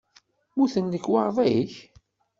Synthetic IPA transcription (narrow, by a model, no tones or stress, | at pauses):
muθənləkːwɑɾˤvˤæjəç